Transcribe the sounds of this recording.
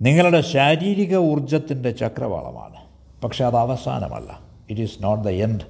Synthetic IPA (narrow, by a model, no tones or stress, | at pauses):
niŋːɐɭuɽe̞ɕaːɾiːɾiɣɐurd͡ʑɐt̪ːinde̞t͡ɕɐkrɐ̰ʋa̰ːɭɐ̰ma̰ːɳɨ | pɐkʂe̞ɐðɐʋɐsa̰ːnɐ̰mɐ̰lːɐ̰ | iʈisnoːʈ̚d̪ɐenɖ